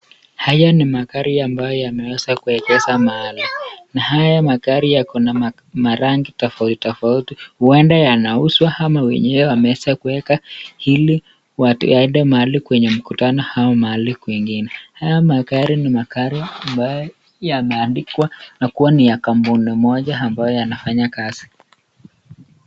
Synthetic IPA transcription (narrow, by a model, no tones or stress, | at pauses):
hajanimakaɾiambajɔjamɛwɛzakuɛkɛzamaalinahajamakaɾijakunam | maɾaŋɡitɔfauti̥tɔfautihuwɛndajanauswahamawɛ̰ɲɛwɛwamɛwɛzakuwɛkahili | wataiɗamaalikwɛɲɛm̩kutanɔhaamaalikwiŋɡinɛhajamaɡaɾinimakaɾiambajɔ | jamaːndikwanakuwanijakambunimɔʄaambajɔjanafaɲakaz̥i